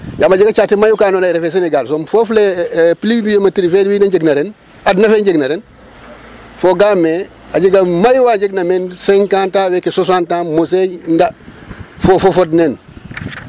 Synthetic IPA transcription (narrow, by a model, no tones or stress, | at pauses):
jamad͡ʒiɡat͡ʃatemajukaːnoːnajɾefeseneɡalsomfoflepilimijematiɾifediwinaɲd͡ʒeɡnɐɾen | adnafeɲɟeɡnɐɾen | foɡamːe | aɟiɡamajwaɲd͡ʒeɡnamenseŋkantawekesos̬antamos̬eŋɡa | fofofodnen